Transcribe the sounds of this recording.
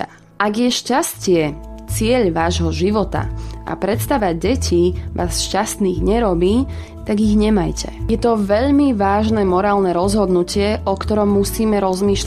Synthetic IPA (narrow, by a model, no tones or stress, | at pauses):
ʔaɡjɛʃcascɪɛt͡sɪɛʎʋaːʒɦɔʒiʋɔt̪a̰ʔa̰pɾɛt̪st̪aʋaɟ̚ɟɛcʰiʋʔa̰ːsʃcast̪niːɣɲɛɾɔbiː | t̪aɡiɣɲɛmajcʰɛjɛt̪ɔʋɛʎmiʋaːʒnɛmɔɾaːlnɛɾɔzɦɔd̪nucɪɛʔɔkt̪ɔɾɔmːusiːmɛɾɔzmiːʃl